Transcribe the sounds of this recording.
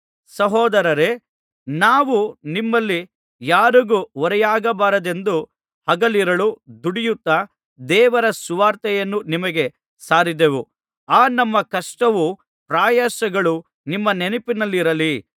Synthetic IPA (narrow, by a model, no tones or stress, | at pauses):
sɐɦɔːd̪ɐɾɐɾe̞ | naːʋunimːɐlːi | jaːɾuɡuʋɔɾɛjaːɡɐbaːɾɐd̪e̞nd̪u | hɐɡɐliɾɐɭud̪uɽijut̪ːɐ | d̪ɛːʋɐɾɐsuʋaːɾt̪ɛjɐnːunimɐɡe̞ | saːɾid̪eʋu | aːnɐmːɐkɐʂʈɐʋu | pɾaːjasɐɡɐɭu | nimːɐnenipinɐlːiɾɐli